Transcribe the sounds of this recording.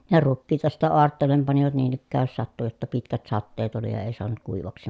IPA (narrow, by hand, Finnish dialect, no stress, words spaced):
jɑ rukːiːtɑ sitːæ oɑrtːeːlˑem pɑniʋɑt niːn ikːæːj jos sɑtːu jotːɑ pitkæt sɑtːeːt oli jɑ eˑi soɑnut kuiʋɑksi